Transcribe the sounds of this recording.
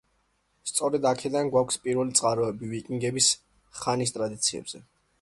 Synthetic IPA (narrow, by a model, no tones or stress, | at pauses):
st̪sʼɔɾɛd̪akʰɛd̪anɡwakʷʰspʼiɾvɛlit̪sʼqʼaɾɔɛbivikʼiŋɡɛbis | χanis̬t̪ʼɾad̪it̪sʰiɛ̰bz̥ɛ